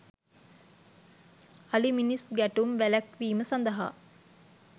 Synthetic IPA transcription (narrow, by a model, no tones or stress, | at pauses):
aliminisɡæʈumʋælækʋiːməsand̪əɦa̰ː